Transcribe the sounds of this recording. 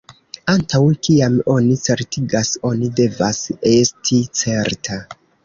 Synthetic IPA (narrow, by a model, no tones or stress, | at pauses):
antawkiamo̞nit͡se̞ɾtiɡaso̞nide̞vase̞stʰit͡se̞ɾtʰa